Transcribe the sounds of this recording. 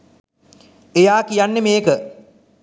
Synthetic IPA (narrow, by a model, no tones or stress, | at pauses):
ejaːkijanːemeːkə